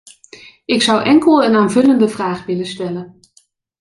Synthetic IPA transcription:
ɪksʌwʔɛŋkəlˠənaːnvɵləndəvraːχʋɪləstɛlən

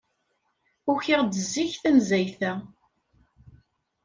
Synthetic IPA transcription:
ʊçiʁd̪əzːiçθænzæjθæ

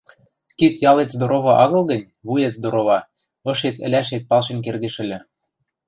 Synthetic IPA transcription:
kit̪jɑlet̪zd̪oɾoβɑʔɑɣɤ̆lɣə̆nʲ | βujet̪zd̪oɾoβɑ | ɤ̆ʃet̪ɘ̰̆lʲæʃet̪̚pɑlʃenk̬erd̪eʃɘ̆lʲɘ̆

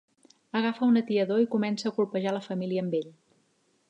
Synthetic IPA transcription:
əɣ̞afəunət̪iəðoikumɛnsəːkulpəʒaləfəmiliəːmbeʎ

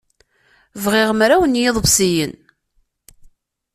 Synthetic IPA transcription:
vʁɪʁmɾæwənjɪðˤbsijən

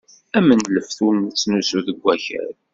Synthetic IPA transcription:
æmənləfθunt͡sːnusuðəɡʷːæçə̰ɾ

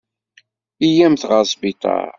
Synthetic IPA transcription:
ijæmθʁɑsˤbit̪ˤɑ̰ɾ

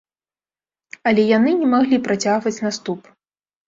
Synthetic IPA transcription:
ɐlʲɛjan̪ɨnʲɛmaɣlʲipɾat͡sʲaɣvɐt͡sʲnast̪up

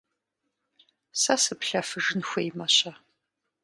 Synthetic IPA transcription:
sɐsɨpɬɐfɨʐɨnxʷejmɐɕɐ

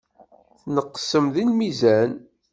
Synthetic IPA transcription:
θnəqːə̥səmðinmizæn

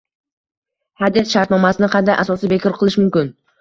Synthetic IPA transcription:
had̪it̪ʃaɾt̪nɒmasɪnɪqʰɑnd̪ajʔasɒsibekʰɔɾqʰɨlˠɪʃmʊmkʲɪn

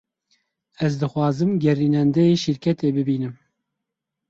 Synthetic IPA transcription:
ɛzd̪ɨxwɑːzɨmɡɛriːnɛnd̪ɛjeːʃɨɾkʰʲɛt̪eːbɨbiːnɨm

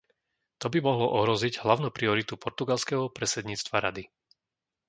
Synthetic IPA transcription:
t̪ɔbimɔɦlɔʔɔɦɾɔziɟɦlaʊnuːpɾiɔɾit̪upʰɔɾt̪uɡalskɛɦɔpɾɛsɛd̪ɲiːt͡st̪ʋaɾa̰d̪i

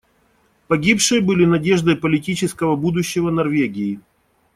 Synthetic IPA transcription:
pɐɡʲipʂɨjəbɨlʲɪnɐdʲeʐd̪əjpəlʲɪtʲit͡ɕɪskəvəbud̪ʊɕːɪvənɐrvʲeɡʲɪɪ

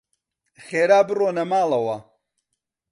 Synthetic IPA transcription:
xeːɾaːbɨroːnɐmaːlˠɐwɐ

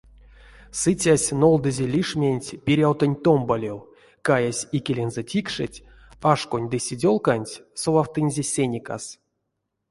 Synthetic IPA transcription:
sɨt͡sʲasʲno̞lˠd̪ɨzʲelʲiʂmʲenʲtʲpʲiɾʲawt̪onʲt̪ombalʲew | kajasʲikʲelʲenzɛtʲikʂɨ̰tʲ | aʂkonʲd̪ɨsʲidʲo̞lˠkanʲtʲsovˠawt̪ɨnʲzʲesʲenʲika̰s

